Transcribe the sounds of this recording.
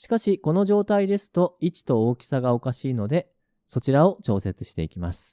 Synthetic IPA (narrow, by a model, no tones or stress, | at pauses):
ɕi̥kaɕiko̞no̞ʑo̞ːt̪aid̪e̞sɨ̥t̪o̞it͡ɕi̥t̪o̞oːkʲi̥saɡao̞kaɕiːno̞d̪e̞ | so̞t͡ɕiɾao̞t͡ɕo̞ːset͡sɨɕi̥t̪e̞ikʲimasɨ̥